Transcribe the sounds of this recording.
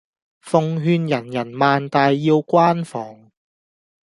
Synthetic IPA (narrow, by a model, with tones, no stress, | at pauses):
fʊ˨˧ŋɦyː˧njɐ˨˩njɐ˨˩nmaː˨nt̪aː˨jːiː˧wkʷaː˥nfɔː˨˩ŋ